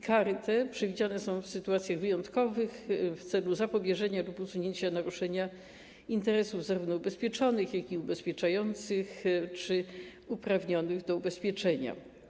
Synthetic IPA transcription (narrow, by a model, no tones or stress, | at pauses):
kaɾɘt̪ɛpʂɛvʲid͡ʑanɛsɔ̃w̃fsɘt̪uat̪sʲjaɣvɘjɔnt̪kɔvɘxft̪sɛluzapɔbʲjɛʐɛɲalupusuɲeɲt͡ɕanaɾuʂɛɲa | int̪ɛɾɛsuvzaɾuvnɔubɛspʲjɛt͡ʂɔnɘxjakiubɛspʲjɛt͡ʂajɔnt̪sɘxt͡ʂɘ | upɾavɲɔnɘɣd̪ɔubɛspʲjɛt͡ʂɛɲa̰